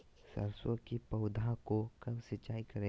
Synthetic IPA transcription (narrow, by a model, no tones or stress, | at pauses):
sɐ̰ɾswəkipɐʊd̪ʱãkokɐbsɪt͡ʃːaːikɐɾẽ